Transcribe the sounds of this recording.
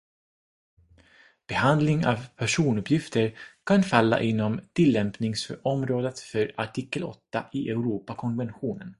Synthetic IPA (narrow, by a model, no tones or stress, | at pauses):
b̥ɛhand̪lɪŋa̰vpʰæʂuːnɵpʰjɪft̪əɾkʰanfalːa̰ʔɪnːɔmt̪ʰɪlːɛmpnɪŋsfœɾʔɔmɾoːd̪ət̪fœɾaʈʰiːkːəlɔ̰t̪ːaɪʔɛʊɾuːpakʰɔnvɛnɧuːnən